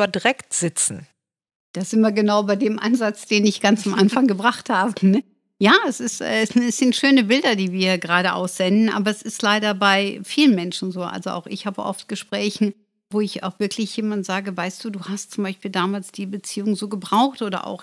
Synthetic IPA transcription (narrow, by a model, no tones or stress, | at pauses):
ɐdʁɛktz̥ɪt͡sn̩ | d̥asɪmɐɡənaʊbaɪdeːmʔa̰nzat͡sd̥eːnɪçɡ̥ant͡samʔanfaŋɡəbʁaχthaːbənə | jaːɛsɪstʔɛ̰ːsɛsz̥ɪntʃøːnəbɪldɐdiːviːɐɡəʁaːɾəʔa̰ʊsz̥ɛndn̩ʔa̰ːbɐɛsɪstlaɪɾɐbaɪfiːlənmɛnʃn̩zoːʔa̰lzoʔa̰ʊxɪ̰çhaːbəʔɔ̰ft̚ɡ̥əʃpʁ̥ɛːçn̩ | voːɪça̰ʊxv̥ɪɐklɪçjeːmantz̥aːɡəvaɪst̚d̥uːduːhastt͡sʊmbaɪʃpiːldaːmaːlsd̥iːbət͡siːʊŋzoːɡəbʁaʊxtʔoːdɐ̰ʔa̰ʊx